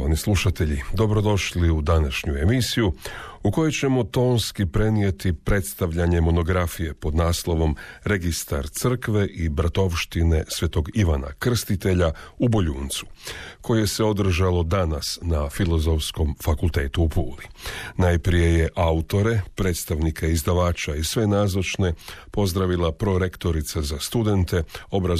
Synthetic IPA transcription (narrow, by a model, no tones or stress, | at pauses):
anisluʃat̪e̞ʎid̪o̞bɾo̞d̪o̞ʃliud̪anaʃɲue̞misijuuko̞jet͡ɕe̞mo̞t̪o̞ːnskipɾe̞nije̞t̪ipɾe̞t̪st̪aʋʎaɲe̞mo̞no̞ɡɾafije̞po̞d̪naːslˠo̞ʋo̞mɾe̞ɡist̪a̰ɾt̪sər̩kʋeʔibɾat̪o̞ʋʃt̪ine̞sʋe̞t̪o̞ɡiʋana̰kr̩st̪it̪e̞ʎaubo̞ʎuːnt̪su̥ko̞jjese̞o̞d̪r̩ʒalˠo̞d̪anasnafilo̞zo̞fsko̞mfakulˠt̪e̞ːt̪uːpuːlinajpɾije̞je̞ʔaut̪o̞ɾe̞pɾe̞ːt̪st̪aʋnikʰaizd̪aʋaːt͡ʃaisʋe̞naːzot͡ʃne̞po̞zd̪ɾaʋilapɾo̞ɾe̞kt̪o̞ɾit̪sazast̪ud̪e̞nt̪e̞o̞bɾa